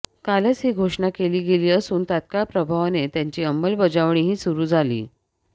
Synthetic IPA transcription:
kalət͡sɦiːɡʱoʂɳakeliːɡeliːəsuːnt̪at̪̚kapɾəbʱaʋanet̪jaɲt͡ɕiːəmbəlbəd͡zaʋɳ̃iːɦiːsuɾuːd͡zʱalḭː

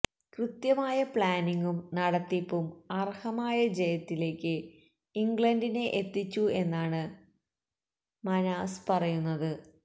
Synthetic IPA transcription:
krɨt̪jɐmaːjɐpɭaːniŋɡumnɐɽɐt̪ːipːumɐrhɐmaːjɐd͡ʑɐjɐt̪ːile̞ːkʲːɨ | iŋɡɭɐndine̞ʔet̪ːit͡ɕːue̞nːaːɳɨ | mɐnaːspɐrɐjunːɐðɨ

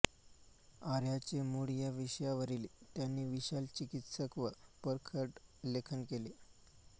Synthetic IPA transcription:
aɾjat͡ɕemuɽjaʋiɕjaʋəɾilit̪janːiːʋiɕalt͡ɕikit̪səkʋəpəɾkʰəʈlekʰənkele

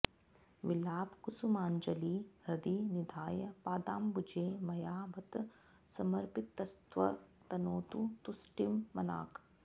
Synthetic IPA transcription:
ʋilaːbkusumaːnd͡ʒɐliːɾɐd̪inid̪ʱaːjɐpaːd̪aːmbud͡ʒeːmɐjaːbɐt̪ | sɐmɐɾpɪt̪ːɐst̪ʋɐt̪ɐnoːt̪ut̪usʈimːɐna̰ːk

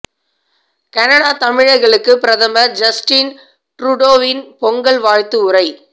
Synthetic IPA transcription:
kɐnɐɽaːt̪ɐmɪɻɐɪɣɐɭɯkːɯpɪɾɐðɐmɐɾd͡ʒɐsʈin | ʈɾʊɽoːʋɪnpɔŋɡɐɭʋaːɻt̪ːɯʊrɐɪ

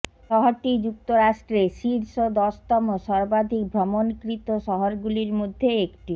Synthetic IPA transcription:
ʃɔɦoɾʈid͡ʑuk̚t̪oɾaʃʈɾeʃiɾʃod̪ɔʃt̪ɔmoʃɔɾbad̪ʱik̚bʱɾɔmonkɾit̪oʃɔɦoɾɡuliɾmod̪ʱːeekʈi

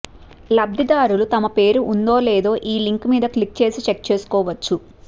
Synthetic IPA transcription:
lɐb̚d̪ʱid̪aːɾulut̪ɐmɐpe̞ːɾuʔund̪o̞ːleːd̪o̞ːʔiːliŋkmiːd̪ɐklik̚t͡ʃe̞ːsit͡ʃek̚t͡ʃe̞ːsu̥kɔːʋɐt͡ʃːu

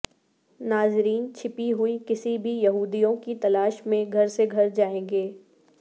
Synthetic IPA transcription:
naːzɾiːnt͡ʃʰɪpiɦʊikɪsibʱijɐɦuːd̪ijõkit̪ɐlaːʃmẽɡʱɐɾseɡʱɐɾd͡ʒaːẽːɡeː

